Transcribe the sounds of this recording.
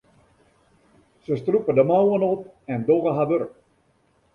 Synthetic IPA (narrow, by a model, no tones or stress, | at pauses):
səstrupədəmawənɔp̚ɛndoɣəɦaʋørk̚